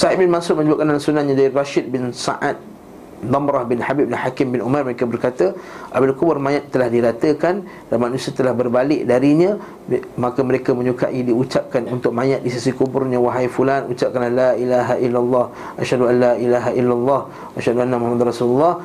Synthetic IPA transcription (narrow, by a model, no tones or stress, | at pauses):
saɪt̪̚bɪnmansur̚mə̃ɲəbat̪̚kanansunahɲãdaɾiraʃɪd̪̚bɪnsa̰ʔat̪̚ | d̪amɾahbɪnħabip̚dahakɪmbɪnʔumarməɾekabərkat̪əʔabɪlkubʊrmãjat̪ːəlahdiɾat̪əkan | d̥anmanũsiat̪əlahbərbalɪʔdaɾiɲə̃ | makəməɾekamə̃ɲuka̰ʔidiut͡ʃap̚kanunt̪ʊk̚mãjat̪̚disisikubʊrɲə̃waɦajfulanut͡ʃap̚kanlahlaʔilaɦaʔilːalːɑh | ʔaʃhaduanlaʔilaɦaʔilːalˤːɑh | ʔaʃhaduanːamuhamad̪nrasululːɑh